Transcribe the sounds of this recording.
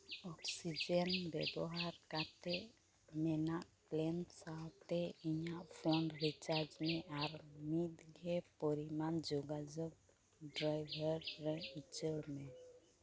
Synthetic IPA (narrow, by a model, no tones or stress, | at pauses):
ɔksid͡ʒɔnbɛbɔɦaɾkat̪ɛʔ | mɛnaʔplɛnsawt̪ɛiɲaʔpʰɔnɾit͡ʃaɾd͡ʒmɛʔaɾmit̪ɡʱɛpɔɾimand͡ʒɔɡad͡ʒɔɡ̚ | ɖɾajbʱɔɾːɛit͡ʃəɽmɛ